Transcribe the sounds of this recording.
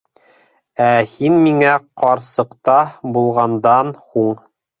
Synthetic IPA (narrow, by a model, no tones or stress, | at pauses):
æhinmiŋæqɑɾsɤ̆qt̪ɑbulˠʁɑnd̪ɑnhuɴ